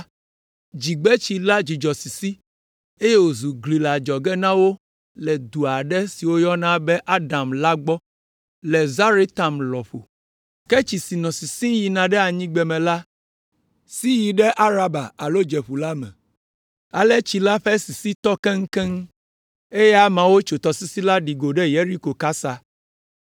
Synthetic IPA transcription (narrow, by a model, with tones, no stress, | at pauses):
d͡ʒi˨ɡ͡bɛ˦t͡ʃi˦la˦d͡ʑi˨d͡ʒɔ˨si˨si˦ | e˦je˦wo˨zu˨ɡli˨la˨d͡ʒɔ˨ɡɛ˦nã˦wo˦ | lɛ˨d̪u˨a˨ɖɛ˦si˨wo˦jɔ˦nã˦bɛ˦ʔa˦ɖa˨mla˦ɡ͡bɔ˦ | lɛ˨za˦ɾe˦t̪a˨mlɔ˨ɸo̰˨ | kɛ˦t͡ʃi˨si˨nɔ̃˨si˨sĩ˦ji˨nã˨ɖɛ˦a˨ɲĩ˦ɡ͡bɛ˨mɛ̃˨la˦ | si˦ji˨ɖɛ˦ʔa˦ɾa˦ba˨a˨lo˦d͡ʒe˨ɸu˨la˦mɛ̰̃˨ | a˨lɛ˦t͡ʃi˨la˦ɸɛ˦si˨si˦t̪ɔ˦kɛ˦ŋ̩˦kɛ˦ŋ˦ | e˦jɛ˦a˦mã˨wo˦t͡ʃo˨t̪ɔ˨si˦si˦la˦ɖi˨ɡo˨ɖɛ˦je˦ɾi˦ko˨ka˦sa˦